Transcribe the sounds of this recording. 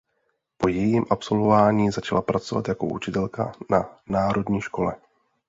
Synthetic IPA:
po̞jɛjiːmʔapso̞lvo̞vaːɲiːzat͡ʃalapɾat͡so̞va̰t̪jako̞̰ʔṵt͡ʃɪt̪ɛlka̰nanaːɾo̞dɲiːʃko̞lɛ

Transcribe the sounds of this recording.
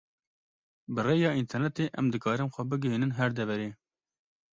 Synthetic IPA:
bɨreːjɑːint̪ʰɛɾnɛt̪eːʔɛmd̪ɨkɑːɾɨmxʷɛbɨɡɨɦiːnɨnɦɛɾd̪ɛvɛɾeː

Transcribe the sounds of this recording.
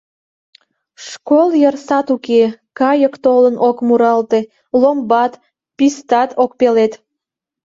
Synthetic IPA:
ʃkoljərsɑt̪ukekɑjəkt̪olənʔokmuɾɑlt̪e̽ | lombɑt̪ | pist̪ɑt̪ʰok̚pelet̪

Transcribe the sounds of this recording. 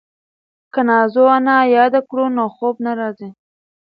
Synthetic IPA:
kanɑzoanajɑd̪akɽunoxob̚naɾɑzi

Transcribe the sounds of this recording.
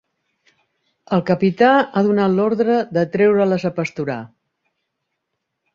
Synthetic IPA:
əlˠkəpit̪aaðunat̪lɔɾðɾəðət̪ɾɛwɾələzəpəst̪uɾa̰

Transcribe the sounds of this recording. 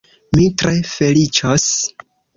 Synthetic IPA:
mitɾe̞fe̞lit͡ʃos

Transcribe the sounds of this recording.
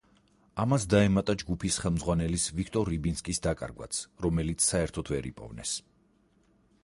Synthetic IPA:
amasd̪aɛmat̪ʼad͡ʒɡupʰisχɛlˠmd̪zʁwanɛlisvikʰt̪ʼɔɾːibinskʼisd̪akʼa̰ɾɡwa̰t̪sʰɾɔmɛlit̪sʰːaɛɾt̪ʰɔt̪ʰvɛɾḭpʼɔ̰vnɛ̰s

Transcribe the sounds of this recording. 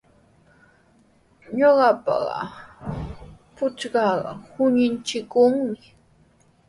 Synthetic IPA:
ɲoɢɑpɑ̰ɢɑ̰ | pʊt͡ʃɢɑɢɑ̰hʊɲɪnt͡ʃɪkʊŋmɪ

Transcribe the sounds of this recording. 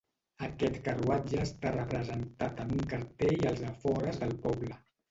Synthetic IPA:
əkɛt̪kəruad͡ʒəːst̪arəpɾəzənt̪at̪əmuŋkəɾt̪eʎəlˠzəfɔɾəzðəlˠpɔblə

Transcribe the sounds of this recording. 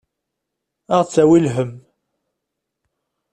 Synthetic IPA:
æʁt͡sːæwilɦəm

